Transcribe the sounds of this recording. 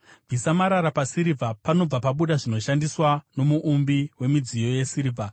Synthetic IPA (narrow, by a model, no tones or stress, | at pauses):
visamaɾaɾapasiɾivʱapano̞b͡vapaɓuɗaʐino̞ʃandiswano̞muʔumbiwe̞mid͡zijo̞je̞siɾivʱa